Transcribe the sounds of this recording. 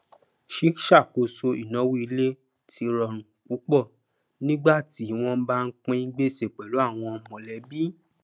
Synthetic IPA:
ʃi˨˦ʃa˦˨ko˨˧so˧i˨nã˨˦wu˦i˧le˦ | tʰi˧ɾɔ˧˨ɾ̃ũ˨k͡pu˨˦k͡pɔ˦˨ | nĩ˦ɡ͡ba˦˨ti˨˦w̃ɔ̃˦ba˦˧n̩˦k͡pĩ˦ɡ͡be˦˨se˨k͡pɛ˨lo˨˦a˦˨w̃ɔ̃˧mɔ̃˨lɛ˨˦bi˦

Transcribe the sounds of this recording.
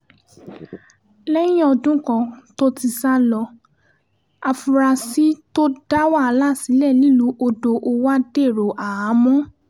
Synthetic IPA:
lɛ˦jĩ˦ɔ˧dũ˦kɔ̃˧˨to˦ti˧sa˦lɔ˧ | a˧fu˧ɾa˧si˦to˦da˦wa˦˨˧la˦˨si˨˦lɛ˦˨li˦˨lu˨˦ʔo˧do˧ʔo˧wa˦de˦˨ɾo˨ʔa˨a˨˦mɔ̃˦

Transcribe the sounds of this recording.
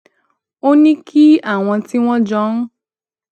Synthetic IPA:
o˦nĩ˦kʰi˦a˦˨w̃ɔ̃˧ti˦w̃ɔ̃˦d͡ʒɔ˦n̩˦

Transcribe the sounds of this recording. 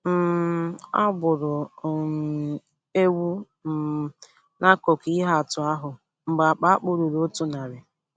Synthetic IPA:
m̩˦˨ | a̰˦bʊ˨ɾʊ˨ | e˦wu˦ | m̩˨ | na˦ko˨ki˦ɦa˦a˨tʊ˨a˦ɦʊ˨ | ŋ͡m̩˨ɡ͡ba˨k͡pa˦k͡pʊ˦ɾʊ˨ɾo˦tʊ˦na˨ɾɪ˨

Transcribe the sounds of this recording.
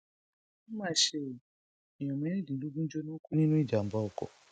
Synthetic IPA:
mã˦˨ʃe˦˨ | i˨jɔ̃˨mɛ̃˨˦e˦˨dĩ˨lu˦ɡũ˦d͡ʒo˦nũ˦ku˦nĩ˦nũ˦i˦˨d͡ʒa˨m̩˨ba˨ɔ˨kɔ̰˨

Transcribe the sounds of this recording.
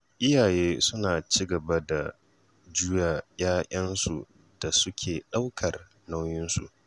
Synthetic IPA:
ʔɪ˦jaː˨jeː˦sʊ˦naː˨t͡ʃiː˦ɡɐ˨ba˦da˨ | d͡ʒʊ˦ja˨jaː˦ʔʲɐ˦nsu˨ | d̥a˨sʊ˦kʲʰeː˨ɗa˦wkʰɐ˨r | na˦wjɪ˦nsṵ˨ʔ

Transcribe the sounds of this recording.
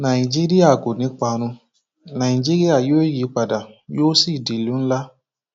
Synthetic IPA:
nã˨i˨d͡ʒi˦ɾi˦a˦˨ɡo˨nĩ˨˦k͡pa˧ɾ̃ũ˧ | nã˨i˨d͡ʒi˦ɾi˦a˦˨joː˦ji˨˦k͡pa˨da˨jo˦si˦˨di˨lũ˨˦n̩˦la˦

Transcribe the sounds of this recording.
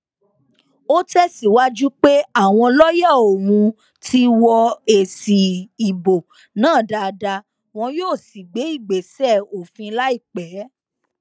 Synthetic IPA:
o˦tɛ˦si˦˨wa˦d͡ʒu˦k͡pe˦a˦˨w̃ɔ̃˧lɔ˦jɛ˦˨o˨wũ˧ | tʰi˦wɔ˧e˨si˨i˨bo˨ | nãː˦˨da˨˧da˧ | w̃ɔ̃˧joː˦˨si˨ɡ͡be˨˦i˦˨ɡ͡be˨sɛ˦˨o˨fĩ˧la˦i˦˨k͡pɛ˨˦

